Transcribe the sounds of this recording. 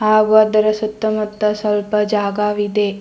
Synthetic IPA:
ɦaːɡuɐd̪ɐɾɐsɐt̪ːɐmɐt̪ːɐsɐlpɐd͡ʒaːɡaːʋid̪eː

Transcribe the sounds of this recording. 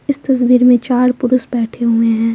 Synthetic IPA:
ɪst̪ɐs̬biːɾmẽt͡ʃaːɾpʊɾʊsbɛːʈʰeɦʊẽɦɛ̃ː

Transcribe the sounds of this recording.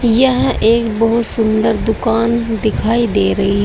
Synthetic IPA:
jɐɦʔeːkbɐɦʊt̪sʊ̃nd̪əɾd̪ʊkaːnd̪ɪkʰaːid̪eːɾɐɦiɦɛ

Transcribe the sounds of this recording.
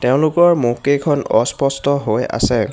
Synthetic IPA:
teʊ̃lʊkɔɹmukekʰɔnɔspɔstɔɦoja̰sɛ

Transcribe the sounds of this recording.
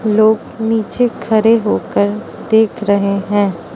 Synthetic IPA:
loːɡ | niːt͡ʃekʰɐɾeɦoːkəɾd̪eːkʰɾɐɦeɦɛ̃ː

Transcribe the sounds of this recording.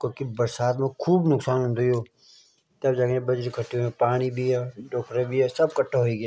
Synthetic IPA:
koːkibɐɾsaːt̪mẽkʰuːbnʊksaːnɦʊ̃nd̪ojoː | t̪ɐbd͡ʒaːɡẽbɐd͡ʒɾekʰɐʈʰːiõẽpaːɽ̃ibʱiɛɖoːkʰɾebʱiɛsɐb̚kɐʈʰːeɦoiɡaː

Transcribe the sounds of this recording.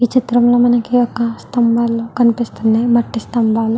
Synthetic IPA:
iːt͡ʃit̪ɾɐmlo̞ːmɐnɐkiɔkːɐst̪ɐmbaːlːoːkɐnipist̪unːaːjmɐʈːist̪ɐmbaːlu

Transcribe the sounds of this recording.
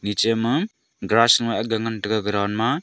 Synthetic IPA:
nit͡ʃemɯ | ɡɾasŋaʔaɡaŋantɯkaɡɾawnma

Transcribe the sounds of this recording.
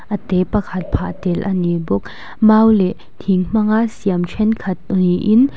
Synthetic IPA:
ʔɐt̪ɛpɐkʰɐt̪̚pʰat̪ɛlʔɐnibuk̚ | maːwlɛʔ | t̪ʰiŋm̥ɐŋaʔsiamt͡ʃʰwɛnkʰɐt̪̚niʔɪn

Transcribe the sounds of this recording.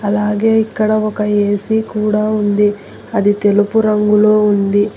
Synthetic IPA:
ɐlaːɡe̞ːikːɐɽɐɔkɐeːsikuːɽaːund̪i | ɐd̪it̪e̞lupuɾɐŋɡuloːund̪i

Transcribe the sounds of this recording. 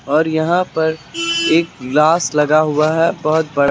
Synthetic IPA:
ɔːɾjɐɦãpɐɾeːk̚ɡlaːslɐɡaɦʊaɦɛbɐɦʊt̪̚bɐɽ

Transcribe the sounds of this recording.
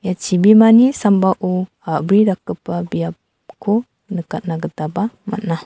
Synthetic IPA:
jat͡ʃibimanisambaʔu | abɾidakəpabia | kʰo | nəkat̪̚naɡət̪abama̰t̚na

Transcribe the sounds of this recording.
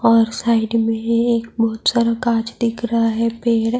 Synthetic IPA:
ɔːɾsaːɪɖmẽeːk̚bɔɦʊt̪saːɾəkaːt͡ʃd̪ɪkʰɾɐɦaɦɛpeːɽ

